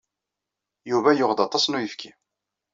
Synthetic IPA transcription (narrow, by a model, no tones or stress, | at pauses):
juvæjʊʁðɑt̪ˤɑsˤnujəfkʰi